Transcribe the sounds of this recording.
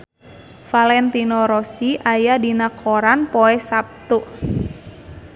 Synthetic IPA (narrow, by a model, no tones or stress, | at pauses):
falɛnt̪inɔɾɔsiʔajadinakʰoɾanpɔɛsap̚t̪u